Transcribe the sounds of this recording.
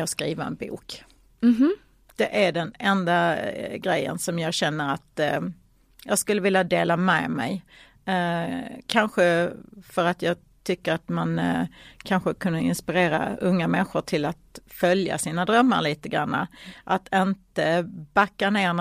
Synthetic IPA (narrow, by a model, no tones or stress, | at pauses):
ɑːskɾiːvaɛ̰nbṵːk | d̪̥ɛʔæɖɛnɛnd̪aɡɾɛjːə̰nsɔmjɑːɡɕɛnːəɾat̪ | jɑːɡskɵlːəvɪljad̪eːlamɛːmɛ̰j | kʰanɧəfœɾat̪jɑːɡ | t̪ʰʏkːəɾat̪mankʰanɧəkʰɵnːəɪ̰nspɪɾeːɾa̰ɵŋːamɛnɧʊʈʰɪlat̪fœlja̰siːnad̪ɾœmːa̰ɾɭiːt̪əɡɾa̰nːa̰ʔat̪ʰɪnt̪əbakːaneːn